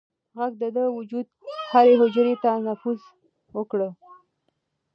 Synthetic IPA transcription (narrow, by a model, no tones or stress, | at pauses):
ɣaɡ̚d̪əd̪əwʊd͡ʒud̪̚haɾeɦʊd͡ʒɾet̪anafuz | wəkɽə